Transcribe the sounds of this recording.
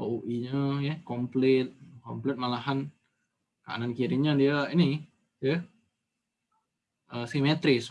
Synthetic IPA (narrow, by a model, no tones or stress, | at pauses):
ouʔiɲəjəkomplɛt̪̚kɔmplɛt̪̚malahan | kaa̰nankiɾiɲadiaaʔini | jə | ʔəsimet̪ɾɪs